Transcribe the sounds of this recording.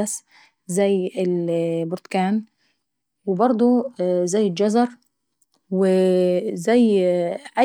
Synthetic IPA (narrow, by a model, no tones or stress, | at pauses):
as | zæjːɪlbʊɾt̪kaːn | wɪbɑɾˤd̪ˤuzajːɪld͡ʒɑzɑɾˤ | wɪzæjːʕa